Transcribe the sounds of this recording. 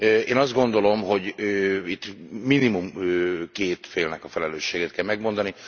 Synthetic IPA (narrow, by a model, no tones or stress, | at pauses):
øeːnɒzd̪ɡo̞nd̪o̞lo̞mɦo̞ɟøit̪ːminimumøkeːt̪feːlnɛkɒfɛlɛløːʃːeːɡet̪̚kɛlmɛɡmo̞nd̪ɒni